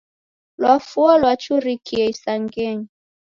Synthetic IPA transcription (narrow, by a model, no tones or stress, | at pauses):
lwafualwat͡ʃuɾikiɛisaŋɡɛɲi